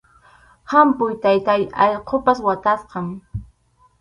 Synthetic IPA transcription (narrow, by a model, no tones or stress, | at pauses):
hampʊjt̪ajt̪ajɑ̰jqʰopaswat̪asqɑŋ